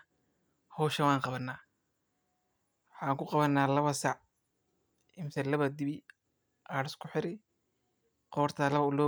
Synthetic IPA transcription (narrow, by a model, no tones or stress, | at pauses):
hɔːʃɐwɑːŋqɑβɐnːaː | wħɑːŋkʰʊqɑβɐnːaːlɐβɐsaʕ | ɪmɪsɛlɐβɐd̪ɪβɪ | ʔaːɽɪskʰʊħɪɾɪ | qɔːrt̪ʰalɐβɐʊlɔː